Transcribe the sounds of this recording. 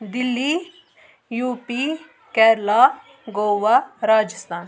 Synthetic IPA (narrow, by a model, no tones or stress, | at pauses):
d̪ɪlːi | juːpi | kɛːɾlaː | ɡoːʋaɾaːd͡ʒɪst̪aːn